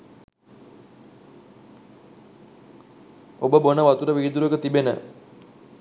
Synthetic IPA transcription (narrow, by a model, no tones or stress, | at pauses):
obəbonəʋat̪uɾəʋiːd̪uɾəkət̪ibenə̰